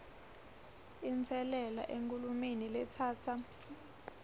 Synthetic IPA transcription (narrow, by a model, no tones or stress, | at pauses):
int͡sʰɛlɛla̰ʔeŋkʼulumenilɛt͡sʰaːt͡sʰa